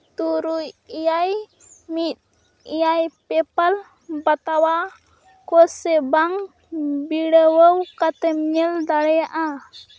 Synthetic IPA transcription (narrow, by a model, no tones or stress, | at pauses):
t̪uɾujijaj | mit̪̚ | ijajpɛpal | bat̪awa | kɔsebaŋ | biɽəwəwkat̪əmɲəld̪aɽejaʔa